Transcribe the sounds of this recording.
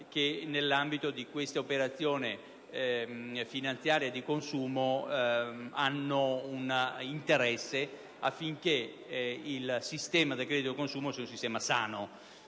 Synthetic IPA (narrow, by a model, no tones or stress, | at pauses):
k̟enelːambit̪od̪ikwest̪aopeɾat̪sːjoːne | finant̪sjaːɾjad̪ikonsuːmo | anːounint̪eɾɛsːe | afːiŋk̟e | ilsist̪ɛːmad̪elkɾɛd̪it̪oikonsuːmosɛaunsist̪ɛːmasaːno